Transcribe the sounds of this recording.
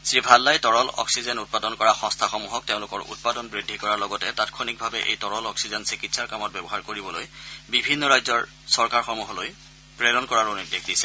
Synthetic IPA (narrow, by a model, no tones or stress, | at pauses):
sɹibʱalːajtɔɹɔlɔ̰ksizɛnut̚padɔnkɔɹaxɔ̃stʰaxɔmuɦɔk̚teʊ̃lʊkɔɹṵt̚padɔnbɹidʱːikɔɹaɹlɔɡɔtɛtatkʰonik̚bʱabɛʔḛjtɔɹɔlɔksizɛnsikitsaɹkamɔt̚bɛbɔɦaɹkoɹibɔlojbibʱinːɔɹajzɔɹ | sɔɹkaɹxɔmuɦɔloj | pɹeɾɔnkɔɹaɹoniddexʰdisɛ̥